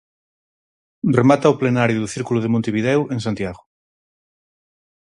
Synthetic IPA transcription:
remat̪aoplenaɾjoðuθiɾkuluðemõnt̪eβiðɛweŋsãnt̪jaɣ̞o

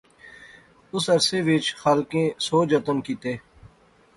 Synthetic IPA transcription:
ʊsɐɾseːʋɪt͡ʃxaːlkẽːsoːd͡ʒət̪əmkiːt̪eː

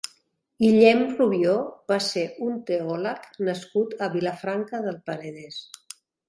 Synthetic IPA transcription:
iʎɛmruβjobaseunt̪eɔləknəskut̪əβiləfɾaŋkəðəlˠpəɾəðɛs

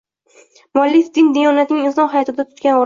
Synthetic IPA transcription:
mʊalːɪfd̪ɪnd̪ajɒnat̪nɪŋʲɪnsɒnɦajɒt̪ɪd̪at̪ʰʊ̥t̪kʲanɒɾ

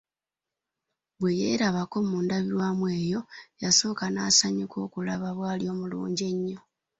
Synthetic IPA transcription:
βwe̞jḛːɾaβako̞muːndaβiɾwaːmwe̞ːjo̞jaso̞ːkanasaɲukʰo̞ːkulaβaβwaːljo̞ːmulṵːɲɟe̞ɲːo̞

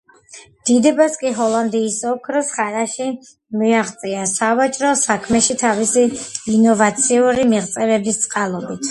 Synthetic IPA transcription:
md̪̥id̪ɛbaskʼiɦɔlˠand̪iːsɔkʰɾɔsχaɾaʃi | miaχt̪sʼiasavat͡ʃʼɾɔsakʰmɛʃit̪ʰavisiːnɔvat̪sʰiuɾimiʁt̪sʼɛvɛbist̪sʼqʼalˠɔbit̪ʰ

